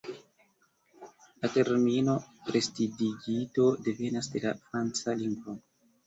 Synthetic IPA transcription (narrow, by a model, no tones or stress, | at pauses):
late̞ɾmino̞ɾestidiɡito̞de̞ve̞nasde̞lafɾant͡saliŋɡvo